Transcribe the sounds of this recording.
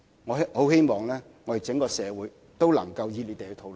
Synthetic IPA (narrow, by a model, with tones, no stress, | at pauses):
ŋɔː˨˧˥ho˨˥whe˥jmɔː˨˩ŋlɛː˥ | ŋɔː˨˧e˨˩t͡sɪ˨˥ŋkɔː˧sɛː˨˧wuː˨˦j | t̪o˥wlɐ̰˨˩ŋkɐ˧wjiː˧le˨˧t̪e˨jːt̪ʰo˨˥wl